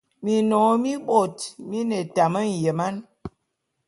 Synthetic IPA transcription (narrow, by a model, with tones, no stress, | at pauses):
mi˨nɔ˨˦mi˦ɓo˦˨tmi˦nɛ˨ta˨mə˦n̩˨je˨ma˦n